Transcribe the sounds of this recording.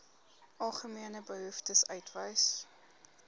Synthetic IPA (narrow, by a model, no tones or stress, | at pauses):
ʔɐlˠχəmiənəbəɦəftəsœɥtvəjs